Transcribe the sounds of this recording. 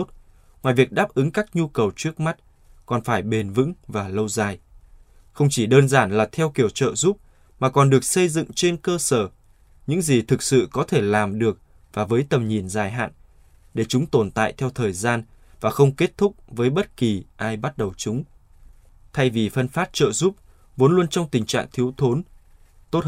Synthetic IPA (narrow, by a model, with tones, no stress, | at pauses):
t̚ | ŋwaː˨jvi˨˩ək̚ɗaː˦˥p̚ʔɨ˨˦ŋkaː˦˥k̚ɲu˧kə˨˩wt͡ɕɨ˦˥ək̚ma˦˥t̚ | kɔ˨˩nfaː˧˩jɓe˨˩nvɨ̰˧˥ŋvaː˨˩lə˧wzaː˨˩j | xə˧wŋ͡mt͡ɕi˧˩ɗəː˧nzaː˧˩nlaː˨˩t̪ʰɛ˧wki˧˩əwt͡ɕə̰ː˧˨zu˦˥p̚ | maː˨˩kɔ˨˩nɗɨ˨˩ək̚sə˧jzɨ̰˧˨ŋt͡ɕe˧nkəː˧səː˧˩ | ɲɨ̰˧˥ŋzi˨˩t̪ʰɨ˨˩k̚sɨ̰˧˨kɔ˨˦t̪ʰe˧˩laː˨˩mɗɨ˨˩ək̚ | vaː˨˩vəː˨˦jt̪ə˨˩mɲi˨˩ənzaː˨˩jɦa̰ː˧˨n | ɗe˧˩t͡ɕʊ˨˦ŋ͡mt̪o˨˩nt̪a̰ː˧˨jt̪ʰɛ˧wt̪ʰəː˨˩jzaː˧n | vaː˨˩xə˧wŋ͡mke˦˥t̚t̪ʰʊ˦˥k͡p̚vəː˨˦jɓə˦˥t̚ki˨˩ʔaː˧jɓa˦˥t̚ɗə˨˩wt͡ɕʊ˨˦ŋ͡m | t̪ʰa˧jvi˨˩fə˧nfaː˦˥t̚t͡ɕə̰ː˧˨zu˦˥p̚ | vo˨˦nlwu˧ənt͡ɕɔ˧wŋ͡mt̪ï˨˩ŋ̟t͡ɕa̰ː˧˨ŋt̪ʰi˨˦əwt̪ʰo˨˦n | t̪o˦˥t̚